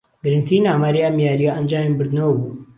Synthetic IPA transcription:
ɡɨɾɨnt̪ʰinaːmaːɾiamjaːɾijaʔɐnd͡ʒaːmibɨɾd̪nɐwbu

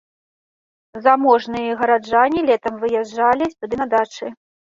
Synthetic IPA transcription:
zamɔʐnɨjɐɣɐɾad͡ʐanʲilʲɛt̪ɐmvɨjad͡ʐalʲisʲt̪ud̪ɨnɐd̪at͡ʂɨ

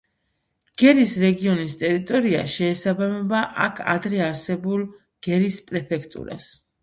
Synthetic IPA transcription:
ɡ̥ɛɾisɾɛɡiɔnist̪ʼɛɾit̪ʼɔɾia̰ʃɛːsabamɛbaʔakʰa̰d̪ɾɛaɾsɛbulˠ | ɡ̥ɛɾispʼɾɛpʰɛkʰt̪ʼṵɾa̰s

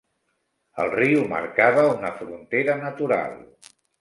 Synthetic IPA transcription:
ə̰lˠriumə̰ɾkaβəunəfɾunt̪eɾənət̪uɾa̰lˠ

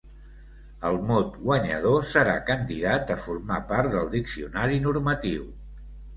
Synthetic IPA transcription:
əlˠmɔt̪ɣwəɲə̰ð̞osəɾa̰kənd̪iðat̪əfuɾmapaɾt̪d̪əlˠd̪iksiunaɾinuɾmət̪iw

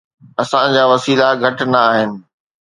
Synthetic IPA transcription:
ɐsãd͡ʑaːʋɐsiːlaɡʱɐʈnɐːɦɪnɪ̆

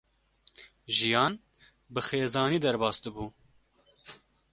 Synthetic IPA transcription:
ʒijɑːn | bɨxeːzɑːniːd̪ɛɾbɑːsd̪ɨbuː

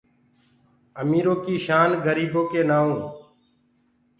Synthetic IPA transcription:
əmiːɾoːkiːʃaːnɡʱəɾiːboːkeːnaːũː

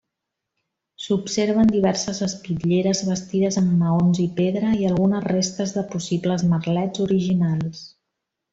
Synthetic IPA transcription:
supseɾβənd̪iβ̞ɛɾsəzəspiʎeɾəzβəst̪iðəzəmːəonzipeðɾəiəlˠɣunəzrest̪əzðəpusibləzmərlɛd͡zuɾiʒinalˠs

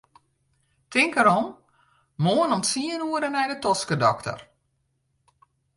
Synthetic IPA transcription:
tɪŋkəɾɔm | moənɔmsiənuəɾənɛjdətɔskədɔktə̰r

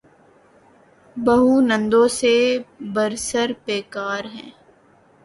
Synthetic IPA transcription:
bɐɦunə̃nd̪õsebəɾsəɾpeːkaːɾɦɛ̰̃ː

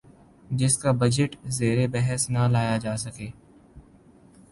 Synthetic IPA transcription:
d͡ʒɪskaːbəd͡ʒɪʈzeːɾebɛɦəsnalaːjad͡ʒaːsəkeː

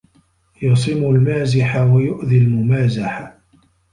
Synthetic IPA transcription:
jɑsˤɨmʊlmaːzɪħawajʊʔðilmʊmaːzaħa

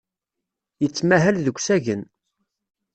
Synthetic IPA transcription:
jət͡sːmæɦælðəkʷsæʝən

